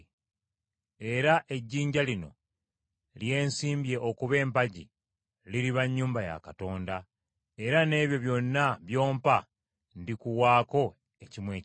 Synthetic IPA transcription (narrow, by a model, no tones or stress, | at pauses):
e̞ɾaʔe̞ɟːiːɲɟalino̞̰ | lje̞ːnsiːmbje̞ʔokuβe̞ːmpaɟḭ | liɾiβaɲːuːmbaja̰kato̞ːnda | e̞ɾane̞ːβjo̞βjo̞nːaβjo̞ːmpa | ndikuwaːko̞ | ecimwe̞ː